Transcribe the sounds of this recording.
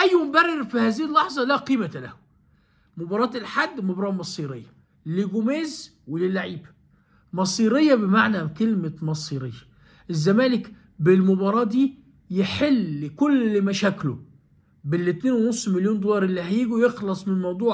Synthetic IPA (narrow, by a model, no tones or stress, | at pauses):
ʔæjːwʊmbærːɪɾfihæːziːilːɑħzˤɑlæqiːmæt̪læh | mobɑɾˤɑːt̪elħad̪ːmobɾˤɑːmɑsˤiːɾejːɑ | lɪɡʊmeːz | welelːaʕiːbæ | mɑsˤiːɾejːɑbemaʕnækelmæmɑsˤiːɾejːɑ | ʔezːæmæːlɪk | bɪlmobɑɾˤɑːd̪iː | jeħelkolːmæʃæːklo | belːɪt̪neːnwnosˤːmeljoːnd̪olɑɾˤʔelːiɦæjiːɡujexlɑsˤmɪnmɑwd̪ˤuːʕ